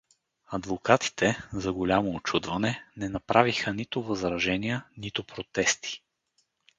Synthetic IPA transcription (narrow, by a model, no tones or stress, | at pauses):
ɐd̪vokat̪i̥t̪ʰɛzɐɡolʲamoːt͡ʃud̪vɐnɛnɛnɐpɾʔavixənit̪ʊvɐzɾɐʒɛnijənit̪ʊpɾot̪ɛst̪i̥